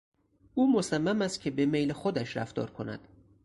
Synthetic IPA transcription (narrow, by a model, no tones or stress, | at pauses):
uːmosæmːæmæst̪̚cʰe̞bemejlexod̪æʃɾæft̪ɒ̰ːɾkʰonæ̰d̪̥